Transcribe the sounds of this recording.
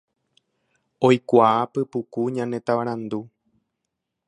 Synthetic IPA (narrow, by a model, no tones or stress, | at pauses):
o̞jkʷaapɨpukuɲãnẽ̞t̪aʋaɾ̃ãnd̪u